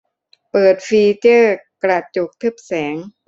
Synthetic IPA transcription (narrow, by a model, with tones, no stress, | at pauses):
pɤː˨˩t̪̚fiː˧t͡ɕɤː˥˩kɾa˧˩t͡ɕo˨˩k̚t̪ʰɯ˥˩p̚sɛː˩˦ŋ